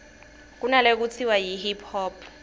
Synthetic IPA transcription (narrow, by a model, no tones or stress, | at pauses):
k̬unalek̬ut͡sʰiwajiɦipʰhɔːpʰ